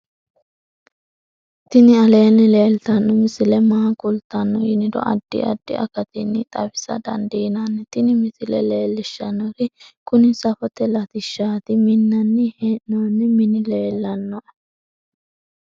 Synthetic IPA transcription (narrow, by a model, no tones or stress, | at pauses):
t̪ɪnɪɐle̞ːnːɪle̞ːlt̪ɐnːɔmɪsɪlɛmaːkʊlt̪ːɐnːɔjɪnɪd̪ɔ̰ʔɐd̪ːɪ̰ɐ̰d̪ːɪ̰ʔɐ̰kɐt̪ɪnːɪt̪ʼɐbɪsɐ̰d̪ɐ̰nd̪iːnanːɛt̪ɪnɪmɪsɪlɛ̰le̞ːlːɪʃːɐnːɔɾɪkʊnɪsɐfɔt̪ɛlɐt̪ɪʃːaːt̪ɪmɪnːɐnːɛhɛnːonːɛmɪnɪle̞ːlːɐnːɔʔ